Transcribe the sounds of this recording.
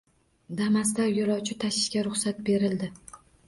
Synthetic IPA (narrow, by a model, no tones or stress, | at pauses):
d̪amasd̪aɾjʊɾɒwt͡ʃʰɪt̪ʰaʃɪ̥ʃkʲaɾʊχsat̪be̞ɾɪld̪ɪ